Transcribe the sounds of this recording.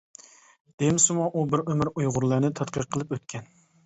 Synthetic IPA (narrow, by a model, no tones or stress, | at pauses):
d̪̥emɪsɪmuʔubɪɾømɪɾujʁʊɾlˠənɪt̪ʰɑt̪qəɾqʰəlˠɨpøt̪kʲʰɛn